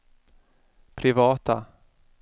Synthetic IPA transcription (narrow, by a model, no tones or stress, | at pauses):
pʰɾɪvɑːt̪a